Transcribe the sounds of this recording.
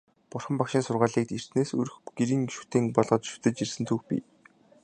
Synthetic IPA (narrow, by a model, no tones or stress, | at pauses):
pʊrχə̆mpakʃɪːnsʊrʁaːɮiːk̚t̪ir̥t̪neːsɵ̰ɾɵ̆xɡ̥eɾiːŋʃu̥t̪iːŋpɔɮʁɞ̆t͡ɕʃu̥t̪ɘ̆t͡ɕt͡ɕirsɘ̆nt̪ʰuːxpʲḭː